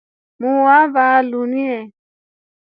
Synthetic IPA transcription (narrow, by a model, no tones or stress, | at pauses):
mũwavaːlunĩɛ